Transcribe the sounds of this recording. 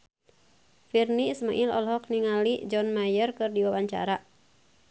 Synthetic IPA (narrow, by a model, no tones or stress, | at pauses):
firnismaʔilɔ̰lɦɔk̚niŋalid͡ʒɔnmajərkɨrdiwawaɲt͡ʃa̰ɾa